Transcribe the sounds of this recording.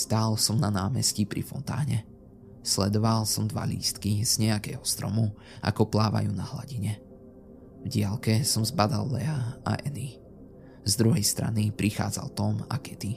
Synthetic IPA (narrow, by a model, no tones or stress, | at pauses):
st̪aːlsɔmnanaːmɛscipɾḭfɔ̰nt̪a̰ːɲɛ | slɛd̪ɔʋalsɔmd̪ʋa̰lḭːst̪kiz̥ɲɛakɛːɦɔst̪ɾɔ̰mu | a̰kɔplaːʋa̰juːnaɦla̰ɟiɲɛ | vɟɪalkɛsɔmzbad̪alːɛaa̰ʔɛni | zd̪ɾuɦɛjst̪ɾa̰nipɾʔixa̰ːd͡za̰lt̪ɔma̰kɛt̪i